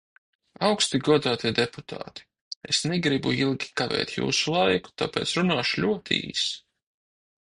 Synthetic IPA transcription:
awkst̪iɡuɔd̪aːt̪iɛd̪epu̥t̪ʰa̰ːt̪i̥ | ḛsnɛɡɾibṵilˠɡʲikavɛ̰ːt̪ʲjṵːsulˠajku̥t̪a̰ːpeːt̪sɾunaːʃlʲuɔt̪ḭːsi̥

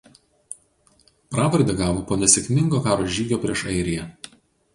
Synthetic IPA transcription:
pɾɑːʋɐɾʲd̪ʲɛɡɑːʋoːpoːnʲɛsʲɛkʲmʲɪŋɡoːkɑːɾoːʒʲiːɡʲoːpʲɾʲiɛʃɐɪɾʲɪjɛ

